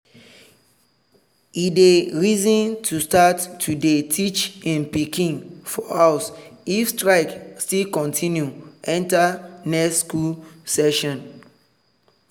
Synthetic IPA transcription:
ideɹizɔ̃ntʰustatʰːudetʰit͡ʃĩnpikĩŋfɔaʊsifstɹaɪkstilkɔ̃ntʰĩnjuʔɛ̃ntanɛkskulsɛʃɔ̃n

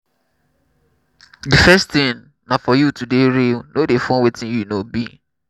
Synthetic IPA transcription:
difɛstĩn | nãfɔjutudeɾilnodefɔ̃nwetĩnjunobḭ

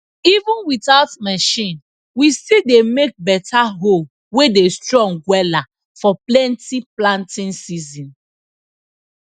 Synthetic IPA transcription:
ivũnwitaʊtmɛʃĩn | wistidemek̚bɛtʰaɦol | wedestɹɔ̃ŋɡwɛla | fɔplɛ̃ntiplãntĩnsizĩn

